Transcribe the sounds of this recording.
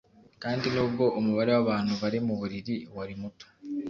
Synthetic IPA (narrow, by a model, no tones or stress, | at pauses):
kaːndinuːb̚ɡo̞ʔomuβaɾe̞waβaːn̥huβaɾimuβuɾiɾiwaɾimuto̥